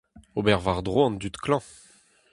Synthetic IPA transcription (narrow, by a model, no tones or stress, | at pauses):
obɛʁvaʁd̪ʁoɑ̃nd̪yt̪klɑ̃